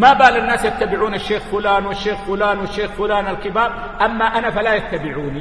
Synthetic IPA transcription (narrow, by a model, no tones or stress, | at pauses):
mabaːlɪnːaːsjat̪ːabɪʕuːnɪʃːeːxfʊlaːnwɪʃːeːxfʊlaːnwɪʃːeːxfʊlaːnalkɪbaːb̚ | ʔamːaʔanafalajat̪ːabɪʕuːni